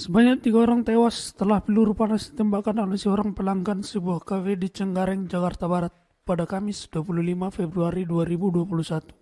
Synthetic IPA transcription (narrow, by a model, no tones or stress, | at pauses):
səbaɲak̚t̪iɡaoɾaŋt̪ewasə̥t̪əlahpiluɾupanasi̥t̪ɛmbakanalasioɾaŋpəlaŋɡansəbuahkafedit͡ʃəŋɡaɾɛŋd͡ʒakart̪abaɾat̪̚ | padakamɪsd̥uapululimafɛbɾuaɾiduaɾibuduapulusat̪u̥